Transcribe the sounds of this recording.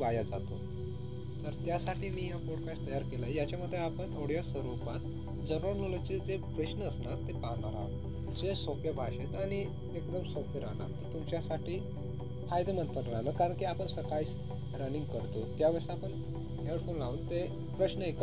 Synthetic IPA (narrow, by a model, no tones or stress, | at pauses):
ʋajad͡zat̪o | t̪əɾt̪jasaʈʰiːmiːjapoɽkast̪əjaɾkelajat͡ɕjaməd̪ʱːjeapəɳoɽ̤jasəɾupat̪ | d͡zəɾonolat͡sed͡zepɾəɕnəːsnaɾt̪epaɦnaɾa̰ʋ | d͡zesokjəbʱaɕet̪aɽ̃i | ekd̪əmsokʰjəɾa̰na̰ɾt̪ət̪umt͡ɕjasaʈiː | fajd̪emənt̪fəʈɾanəkaɾəɳkiːapəɳsəkais | ɾəniŋɡ̚kəɾt̪ot̪jaʋəɾʂaapəɳ | ɦeɽfonlaʋət̪t̪ːe | pɾəɕnəek